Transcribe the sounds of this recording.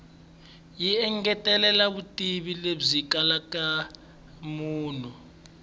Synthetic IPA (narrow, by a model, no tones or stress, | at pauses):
jiɛŋɡɛtʼɛlɛlaβutʼiɓilezikalakʼa | muːnu